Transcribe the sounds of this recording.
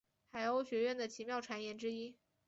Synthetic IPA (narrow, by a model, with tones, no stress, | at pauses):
xa˧˥ɪo˥ʊɕɥɛ˧˥ɥɛ˥˩nd̪ə˩t͡ɕʰi˧˥mjɑ˥˩ʊʈ͡ʂʰwa˧˥njɛ˧˥nʈ͡ʂɻ̩˥i˥